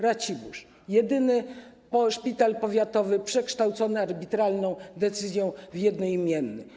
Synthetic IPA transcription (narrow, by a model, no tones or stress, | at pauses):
ɾat͡ɕibuʂ | jɛd̪ɘnɘpɔʂpʲit̪alpɔvʲjat̪ɔvɘpʂɛkʂt̪awt̪sɔnɘaɾbʲit̪ɾalnɔ̃w̃d̪ɛt̪sɘzʲjɔ̃w̃vjɛd̪nɔjimʲjɛnːɘ